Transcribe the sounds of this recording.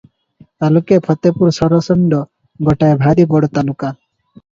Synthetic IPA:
t̪alukepʰɔt̪epuɾsɔɾɔsɔɳɖɔ | ɡɔʈajbʱaɾibɔɽɔt̪aluka

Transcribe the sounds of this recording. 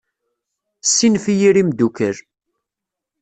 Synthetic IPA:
sːinfijiɾimd̪ukəɾ

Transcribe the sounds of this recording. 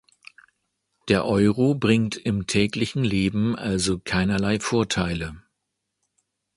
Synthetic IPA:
d̥eːɐʔɔʏʁobʁɪŋtɪmtʰɛːklɪçn̩leːbm̩ʔalzokʰaɪnɐlaɪfoːɐtʰaɪlə

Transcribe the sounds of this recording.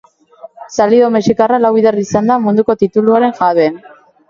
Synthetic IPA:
saliðomesikaralawiðerisand̪amund̪uko̞t̪it̪uluaɾe̞ŋʝaβen

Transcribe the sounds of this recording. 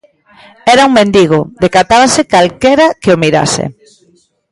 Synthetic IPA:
ɛɾauŋmẽnd̪iɣ̞ʊd̪ekat̪aβasekalkeɾakeomiɾa̰sɪ̰

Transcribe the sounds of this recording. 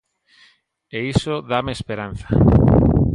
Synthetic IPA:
eisoðamespeɾan̟θa

